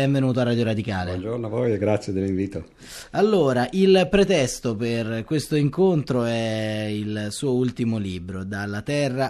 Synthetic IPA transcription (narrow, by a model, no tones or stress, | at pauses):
ɛɱvenuːt̪oarːad̪joɾad̪ikaːlend͡ʒornoavoːjeɡɾat̪sːjed̪elːiɱviːt̪o | alːoːɾaʔilpɾet̪ɛst̪operkwest̪oiŋkont̪ɾoɛilsuːoult̪imoliːbɾod̪alːat̪ɛrːa